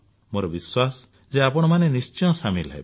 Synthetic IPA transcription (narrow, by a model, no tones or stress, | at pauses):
moɾɔbiswasɔ̥ | zeapɔɽ̃ɔmanenist͡ʃɔ̃ɔ̃samilɔɦḛb